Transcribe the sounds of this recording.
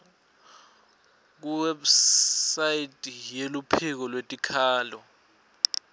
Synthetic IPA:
k̬uwɛbsaitʼijelupʰik̬ɔlwetʼikʰaːlɔ

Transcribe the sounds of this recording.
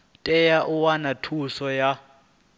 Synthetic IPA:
tʼɛjaʔuwanatʰusɔja

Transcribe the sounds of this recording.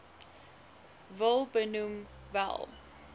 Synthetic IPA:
vəlˠbənum | væ̰lˠ

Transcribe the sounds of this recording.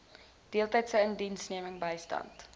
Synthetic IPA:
d̥iəlˠtəjtsəəndinsniəməŋbəjstɐ̰nt

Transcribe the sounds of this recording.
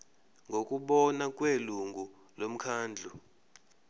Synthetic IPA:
ŋɡʱokʼuɓɔnakʼweluŋɡu | lom̩kʰaːnd͡ɮʱu

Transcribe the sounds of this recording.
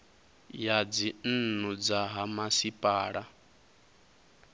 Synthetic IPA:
jad͡zin̩nud͡zaɦamasipʼaːɺa

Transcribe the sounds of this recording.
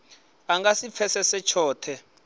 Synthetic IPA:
aŋɡasip̪fʰɛsɛsɛt͡ʃʰɔːtʰɛ

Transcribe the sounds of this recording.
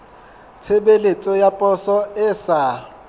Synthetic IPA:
t͡sʰebelet͡sʼɔjapʼɔsɔɪsa

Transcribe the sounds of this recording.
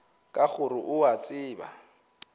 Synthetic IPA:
kʼaχʊɾʊʔʊwat͡sʼɪːba̰

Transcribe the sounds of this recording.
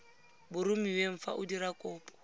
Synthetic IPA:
bʊɾumiweɱ̩fa̰ʔʊdiɾakʼɔːpʼɔ̥

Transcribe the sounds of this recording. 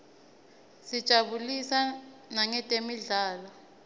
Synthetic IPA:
sid̥ʒ̥ʼʱaɓulisanaŋɛtʼemiɮaːlɔ

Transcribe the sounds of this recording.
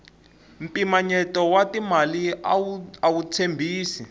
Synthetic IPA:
m̩pʼimaɲɛtɔwatimali | awut͡sʰembʱiːsi

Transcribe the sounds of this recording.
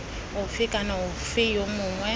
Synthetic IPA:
ʊfɪkʼanaʊfɪjomʊŋwɛ

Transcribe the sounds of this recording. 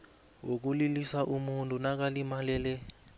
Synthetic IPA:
wok̬ulilisaʔumuntʼunak̬alimalɛlɛ

